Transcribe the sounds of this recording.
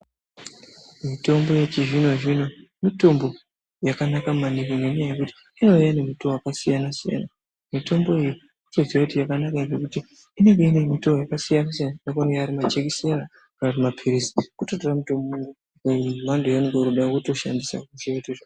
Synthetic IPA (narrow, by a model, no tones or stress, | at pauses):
mito̞mbo̞jet͡ʃiʐino̞ʐino̞mito̞mbo̞ | jakanakamanikineɲjajekuti̥ | ino̞janemutowakasijanasija̰na | mito̞mbo̞eji | utoziwaitijakanakaeɡekutiː | ne̞ŋɡe̞inemitojakasijanasijananekoneɡeaɾimat͡ʃekise̞ɾa | kanatimapʰiɾisi̥kutotoramitombomuŋɡu | mandujaneɡoɾuɗakuto̞ʃa̰ndisa̰kuʒeeteʐa